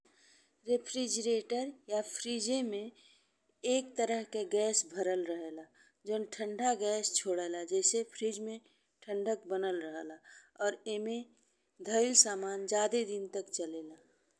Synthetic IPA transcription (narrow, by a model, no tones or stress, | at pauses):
ɾepʰɾid͡ʒɾeːʈəɾjapʰɾiːd͡ʒemẽ | eːk̚t̪əɾəɦkeɡɛːsbʱəɾəlɾəɦelaː | d͡ʒənʈʰə̃ɳɖʱaɡɛːst͡ʃʰoːɽeːlad͡ʒɛːsepʰɾiːd͡ʒmẽ | ʈʰə̃ɳɖək̚bənəlɾəɦlaɔːɾemẽ | d̪ʱəɪlsaːmaːnd͡ʒaːd̪ed̪ɪnt̪əkt͡ʃəleːlaː